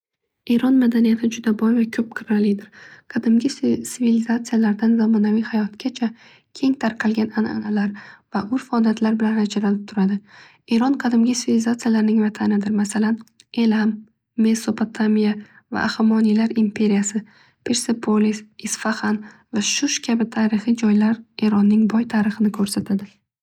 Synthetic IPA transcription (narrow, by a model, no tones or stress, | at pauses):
e̞ɾɒnmad̪anijat̪ʰɪd͡ʒʊd̪abɒjvakʲʰɵp̚qʰɪɾalɪd̪ɪɾqʰɑd̪ɪmɡʲɪsɪvilɪzat̪sɨjalaɾd̪anzamɒnavijhajɒt̪kʲat͡ʃʰa | kʲʰe̞ŋt̪ʰaɾqʰɑlˠɡʲanana̰nalaɾvaʔʊɾfaɒlˠijat̪ʰlaɾbɪlanad͡ʒaɾalɪp̚t̪ʰʊɾad̪ɪ | e̞ɾɒnqʰɑd̪ɪmɡʲɪsɪvilzat̪sɨijalaɾnɪŋvat̪ʰanɪd̪ɪɾmasalan | e̞lamː | e̞so̞pʰot̪ʰamija | va̰ʔːχamɒnijlaɾimpʰe̞ɾijasɪ | pʰe̞ɾsepʰolisɪsfaχan | vaʃʊʃkʲʰabɪt̪ʰaːɾɨχid͡ʒɒjlaɾe̞ɾɒnːɪŋbɒjt̪ʰaɾɨχɨnɪkʰɵɾsat̪ʰad̪ɪ